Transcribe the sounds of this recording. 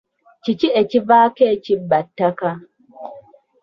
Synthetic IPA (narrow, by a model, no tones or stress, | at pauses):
t͡ʃit͡ʃiʔet͡ʃivaːket͡ʃibɐtːaka